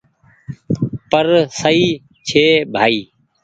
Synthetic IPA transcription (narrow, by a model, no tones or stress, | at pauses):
pəɾsəiː | t͡ʃʰeːbʱaːiː